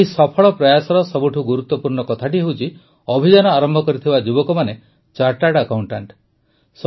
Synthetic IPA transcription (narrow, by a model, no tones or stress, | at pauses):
isɔpʰɔɭɔpɾɔjasɔɾɔsɔbuʈʰuɡuɾut̪ːɔpuɾɳɔkɔt̪ʰaʈ̬iɦewt͡ʃʰi | ɔbʱid͡ʒanɔaɾɔmbʱɔkɔɾit̪ʰibad͡ʒubɔkɔmane | t͡ʃaɾʈaɽakawɳʈaɳʈ | s